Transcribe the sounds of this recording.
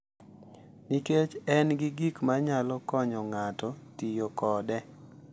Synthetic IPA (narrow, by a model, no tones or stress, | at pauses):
niket͡ʃɛnɡɪɡikmaɲalɔkɔɲɔŋatɔtijɔkɔdɛ